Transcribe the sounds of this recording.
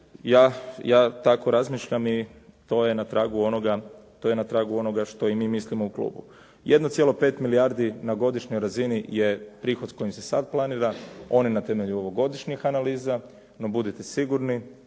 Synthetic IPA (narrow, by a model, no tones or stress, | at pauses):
jaːjaːt̪ako̞ɾazmiːʃʎamit̪o̞jenat̪ɾaːɡuo̞noɡat̪ojenat̪ɾaːɡuo̞noɡaʃt̪o̞imiːmislimouklṵːbṵ | jʔed̪not̪sje̞lo̞pe̞ːt̪miliaɾd̪inaɡo̞d̪iʃɲojɾazinije̞pɾiːxod̪sko̞jimsesa̰d̪̚plˠaniːɾao̞ninat̪e̞me̞ʎuo̞ʋo̞ɡo̞d̪iʃɲixanaliːza | no̞bud̪it̪esiɡuɾni